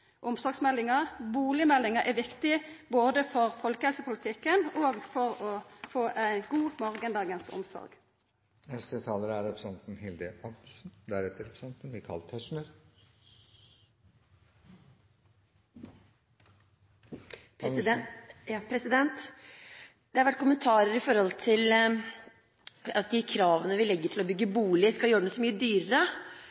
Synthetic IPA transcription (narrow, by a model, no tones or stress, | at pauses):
ʔʊmsɔɡsmɛlːɪŋəʁbuːlɪəmɛlːɪŋəɾʔɛʋɪkt̪ɪboːd̪əfɔʁfɔlkəhɛlsəpʊlɪt̪ʰɪkːənoːɡfɔʁɔfoːʔæɪnɡuːmɑʁɡənd̪ɑːɡənsʊ̰msɔ̰ɾɡ | ɛst̪et̪ʰɑːləɾəæɾɛpɾəsɛnt̪n̩hɪld̪əʔɔɡsn̩d̪æɾɛt̪ːəɾɛpɾə̥sɛnt̪n̩ʋɪkʰɑ̰lt̪hɛʂɳəɾ | p | pʰɾɛsɪd̪ɛnt̪ | d̪̥ɛhɑɾʋæʈ̚ːkʰʊmənt̪ʰɑːɾəɾɪfɔɾhɔlt̪ʰɪl | ɑt̪ːd̪ɪkʰɾɑːʋənəʋɪlɛɡːəʈʰɪlɔbʏɡːəbuːlɪskɑljøːɾɖɛnːsɔmyːəd̪yːɾəɾə